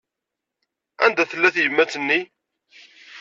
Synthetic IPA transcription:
æ̰nd̪æθəlːæθjəmːæt͡sːənːi

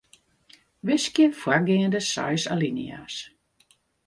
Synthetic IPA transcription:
ʋɪskjəfwarɡɪəndəsa̰jsa̰linḭa̰ːs

